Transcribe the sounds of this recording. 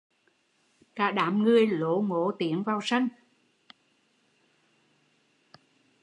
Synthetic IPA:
kaː˧˥ɗaː˨˦mŋɨ˨˩əjlo˧˦ŋo˧˦t̪i˨˦ənvaː˨˩wsa˧jŋ̟

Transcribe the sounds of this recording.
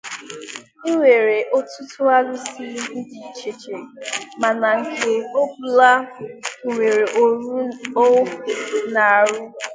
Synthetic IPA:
i˦ŋʷe˨ɾe˨ʔo˦tu˦tʊ˦a˦lʊ˦si˦n̩˦di˨t͡ʃe˨t͡ʃe˨ɾe˨ma˨na˨ŋ̩˨ke˨o˦bu˨la˦˨ | ŋʷe˨ɾe˨ʔɾo˦˨na˨ɾu˦

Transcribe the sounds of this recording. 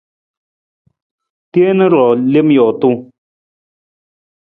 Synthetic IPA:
tje˦nə˦ɾɔ˨le˦m˦jɔ˨tu˦

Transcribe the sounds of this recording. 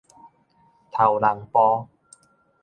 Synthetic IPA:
t̪ʰa˨˩wla˨˩ŋpɔː˧

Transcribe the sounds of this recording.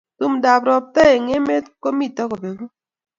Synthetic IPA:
tu˦mda˨bɾɔ˨p̚tɛ˦e˨ŋe˦me˦tko˦mi˦tɔ˦ko˨be˨ɡo˦

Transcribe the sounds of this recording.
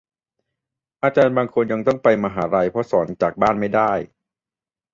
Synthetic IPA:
ʔaː˧t͡ɕaː˧nbaː˧ŋkʰo˧nja˧ŋt̪ɔ˥˩ŋpa˧jmaː˧ɦaː˩˦ɾa˧jpʰɾɔ˦˥sɔː˩˦nt͡ɕaː˨˩k̚baː˥˩nma˥˩jdaː˥˩j

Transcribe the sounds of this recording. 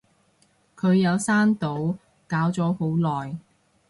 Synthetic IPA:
kʰɵ˨˧ɥjɐ˨˧wsaː˥nt̪o˨˥w | kaː˨˥wt͡sɔː˨˥ho˨˥wlɔː˨j

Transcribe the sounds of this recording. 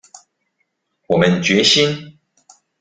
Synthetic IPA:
wɔ˨˩mə˦nt͡ɕɥɛ˨˦ɕi˦n

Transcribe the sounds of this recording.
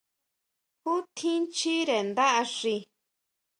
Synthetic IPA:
ku˦t̪ʰĩ˦nt͡ʃi˦ɾe˨nd̪a˦ʔa˧ʂi˧

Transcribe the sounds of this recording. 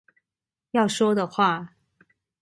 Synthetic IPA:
jɑ˥˩ʊʂwɔ˥d̪ə˨xwa˥˩

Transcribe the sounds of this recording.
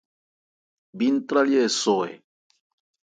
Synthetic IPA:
bi˦n˦t̪ɾa˦ljɛ˦˨so˨ḛ˨

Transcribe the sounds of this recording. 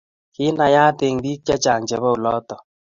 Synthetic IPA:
kɪ˦na˧ja˦te˧ŋdi˦k̚t͡ʃa˦t͡ʃa˨ŋt͡ʃɛ˨βɔ˦u˨lɔ˦tɔ˨

